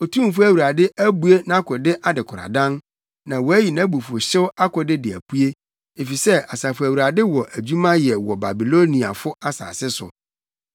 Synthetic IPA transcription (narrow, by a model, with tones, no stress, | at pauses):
o˨tʰũ˦˨fʊ˦æ˨wu˨ɾa˨dɪ˦ʔæ˦bu˦e˦nã˦kʰɔ˨dɪ˦ʔa˨dɪ˨kʰʊ˨ɾa̰˨dã˦n | nã˨wɔ˨æ˦ji˨nã˦bu˨fʊ˨ɕɪ˦wʊ˦a˦kʰɔ˨dɪ˦dɪ˨æ̰˨pʰu˦e˦ | e˨fi˨sɛ˦a˨saː˨fʊ˨æ˨wu˨ɾa˨dɪ˦wɔ˨ʔæ˨d͡ʑu˦mã˦jɛ˨wɔ˨ba˨bi˨lo˦nĩ˨a̰˨fʊ˦a˦sa̰ː˨sɪ˦sʊ̰˨